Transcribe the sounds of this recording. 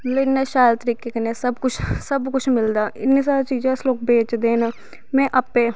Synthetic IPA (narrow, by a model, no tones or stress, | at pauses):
lɪnnːeːʃaːlt̪əɾiːkekəneːsəbkʊt͡ʃʰsəbkʊt͡ʃʰmɪld̪aːʔɪtneːs̬aːɾat͡ʃiːd͡ʒẽsloːk̚beːt͡ʃd̪eːnaː | mɛ̃ːʔəpeː